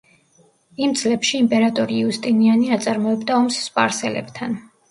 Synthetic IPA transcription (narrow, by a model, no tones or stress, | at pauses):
imd̪z̥lɛpʃiːmpʼɛɾat̪ʼɔɾiust̪ʼinianiat̪sʼaɾmɔɛbd̪aɔmsːpʼa̰ɾsɛlɛ̰bt̪ʰan